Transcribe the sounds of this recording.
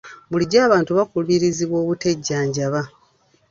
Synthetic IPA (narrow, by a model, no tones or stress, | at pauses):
buliɟaːβaːntuβakuluiɾiziβwo̞ːβute̞ɟːaːɲɟaβa